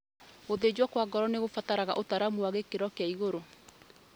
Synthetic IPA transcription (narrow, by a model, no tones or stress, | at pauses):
ɣoðed͡ʑwakwaɡɔɾɔneɣofataɾaɣa̰ʔotaɾamuwaɣekeɾɔkeaiɣoɾo